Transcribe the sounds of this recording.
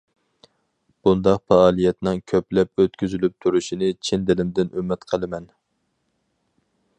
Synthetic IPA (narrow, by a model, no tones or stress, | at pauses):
b̥und̪ɑqfɑɑːlˠijɛt̪nɪŋkʲʰøplɛp̚øt̪̚kʲʰyzylyp̚t̪ʰuɾuʃinɪt͡ʃʰind̪ɪlɪmd̪ɪnymːɛt̪qʰəlˠɨmɛn